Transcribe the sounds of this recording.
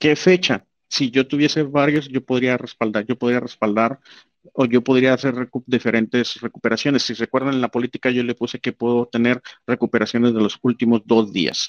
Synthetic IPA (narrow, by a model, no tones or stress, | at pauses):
ke̞fe̞t͡ʃa | siʝo̞t̪uβje̞se̞βaɾjo̞sʝo̞po̞ðɾiarespald̪aɾʝo̞po̞ðɾiare̞spald̪aɾ | o̞ʝo̞po̞ðɾiaːse̞ɾred̪ife̞ɾe̞nt̪e̞sre̞kupe̞ɾasjo̞ne̞sːire̞kwe̞ɾðannlapo̞lit̪ikaʝo̞le̞puse̞kepweðo̞t̪ene̞ɾre̞kupe̞ɾasjo̞nezðelo̞sult̪imo̞zd̪o̞zðḭa̰s